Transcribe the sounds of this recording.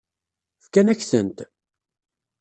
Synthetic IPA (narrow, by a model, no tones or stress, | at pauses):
fkænæçθənt̪